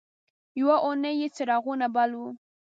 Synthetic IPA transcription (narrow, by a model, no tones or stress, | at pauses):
jwaʔʊnəjet͡səɾɑɣunabalwu